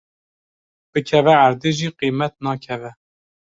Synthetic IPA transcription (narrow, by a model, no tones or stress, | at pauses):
b̥ɨkʰɛvɛaɾd̪eːʒiːqimɛt̪̚nɑːkʰɛvɛ